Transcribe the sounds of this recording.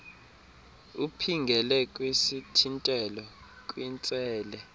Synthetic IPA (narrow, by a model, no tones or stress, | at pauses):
upʰiŋɡʱɛlɛkʼwesitʰintʼɛlɔ | kʼwint͡sʼɛːlɛ